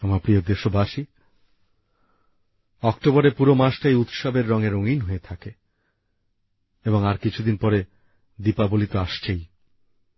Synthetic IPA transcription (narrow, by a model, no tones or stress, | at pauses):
amapniod̪eʃobaʃi | ɔkʈobɔɾepuɾomaʃʈajut̪ʃɔbeɾːɔŋeɾoŋinɦoet̪ʰake | eboŋaɾkit͡ɕʰud̪inpɔɾe | d̪ipabolit̪oaʃt͡ɕʰej